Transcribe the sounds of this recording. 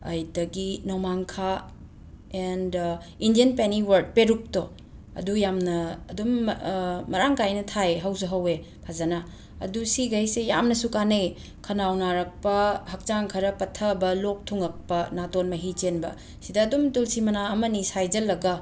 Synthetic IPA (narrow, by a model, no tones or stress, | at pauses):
ɐ̰jdɐɡinomaŋkʰa | end | indijenpeniwɐɾd̚peɾuk̚tɔ | ɐ̰dujamnɐːdumː | ɐɾaŋkajnɐtʰajɦɐwzɐɦɐwe | pʰazɐnɐ | ɐ̰dusiɡajsejamnɐsukanej | kʰɐnawnaɾɐk̚pɐhɐk̚t͡ʃaŋkʰɐɾɐpɐtʰɐbɐlok̚tʰuŋɐk̚pɐnatonmɐɦit͡ʃenbɐ̰ | sidɐːdumtulsimɐnaːmɐnisajd͡ʒɐlːɐɡɐ